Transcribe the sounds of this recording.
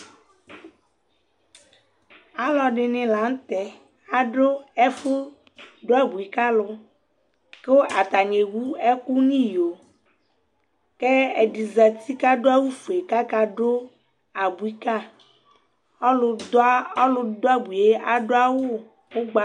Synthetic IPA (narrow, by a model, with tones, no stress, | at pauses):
a˨lɔ˨ɖɪ˨nɪ̃˨la˨˦ŋ̩˦t̪ɛ˨ | a˨ɖo˦ɛ˦fʊ˦ | ɖo˦a˦bu˨i˨ka˦lʊ˦ | ke˦wo˦ʔa˨t̪a˨ɲe˨wu˦ɛ˦ku˦nĩ˦˨jo˨ | ke˦e˨ɖi˨za˨t̪i˦ka˦ɖo˦a˦wu˦fu˨e˨ka˦ka˨ɖo˦ | a˨bu˨i˦ka˦ | ɔ˦lʊ˨da˦ɔ˦lʊ˦d̪o˦a˦bu˨e˦ʔa˨ɖo˦a˦wo˦ | wo˦ɡ͡ba˦